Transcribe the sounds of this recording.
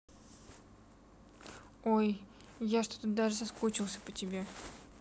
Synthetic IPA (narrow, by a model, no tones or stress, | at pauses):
oj | jaʂt̪ot̪əd̪aʐɨsɐskot͡ɕɪlˠsʲə̥pətʲɪbʲe